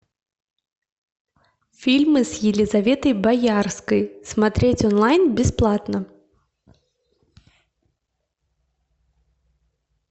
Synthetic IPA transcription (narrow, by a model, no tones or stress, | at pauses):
fʲilʲmɨsjɪlʲizavʲɛt̪ɐjbajarskɐjsmat̪ɾʲet͡sʲɔnlˠajnbʲɪsplˠat̪nɐ